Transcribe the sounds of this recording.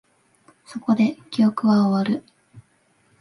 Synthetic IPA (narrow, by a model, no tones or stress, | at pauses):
so̞ko̞d̪e̞kʲijo̞kɯ̟βaoβaɾɯ̟